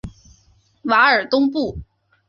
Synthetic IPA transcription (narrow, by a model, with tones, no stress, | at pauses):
wa˧˥ə˞˨˩t̪ʊ˥ŋpu˥˩